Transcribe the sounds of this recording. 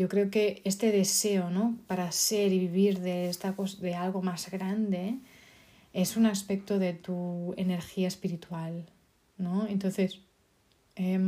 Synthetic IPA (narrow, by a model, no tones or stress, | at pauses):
o̞kɾe̞oke̞est̪e̞ðe̞se̞ono̞paɾase̞ɾiβiβ̞iɾðe̞est̪ako̞sðealɣ̞o̞mazɣɾand̪e̞ | e̞sunaspe̞k̚t̪o̞ðe̞t̪uene̞ɾxiaespiɾit̪wal | noe̞nt̪o̞nθe̞s | em